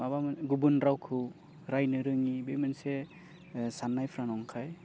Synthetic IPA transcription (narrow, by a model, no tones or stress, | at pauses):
abamɡubunɾawkʰɯw | ɾajnɯɾɯŋibemense | sanːajpʰɾanɔŋkʰaj